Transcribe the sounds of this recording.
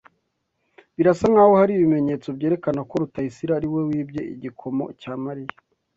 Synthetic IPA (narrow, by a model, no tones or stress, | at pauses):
βiɾasaŋaːwohaɾiːβime̞ɲe̞ːt͡so̞bɟeːɾe̞kanako̞ɾutaisiɾaɾiwe̞wiːbje̞ʔḭɟikʰo̞mo̞̰caːmaɾija